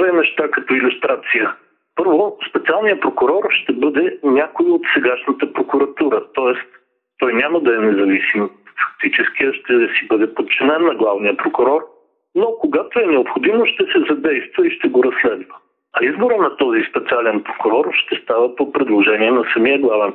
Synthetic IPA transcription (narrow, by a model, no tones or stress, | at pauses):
vɛnɛʃt̪akɐt̪ɔilʲust̪ɾat̪sijə | pɤɾvospɛt̪sialˠnijəpɾokʊɾɔɾʃt̪ɛbɤd̪ɛnʲakojot̪sɛɡaʃnət̪əpɾokʊɾɐt̪uɾət̪ɔɛst̪ | t̪ɔjnʲaməd̪ɐɛnɛzɐvisimfɐ̥k̚t̪it͡ʃɛsk̟ʲiɐʃt̪ɛsibɤd̪ɛpot̪̚t͡ʃːinɛnːɐɡlˠavnijəpɾokʊɾɔɾ | nokoɡat̪oɛnɛopxod̪imoʃt̪ɛsɛzɐd̪ɛjst̪vəiʃt̪ɛɡoɾɐsːlɛd̪və | ɐizboɾənɐt̪ɔzispɛt̪sialɛnpɾokʊɾɔɾʃt̪ɛst̪avəpopɾɛd̪lˠoʒɛniɛnɐsɐmiəɡlˠavɛn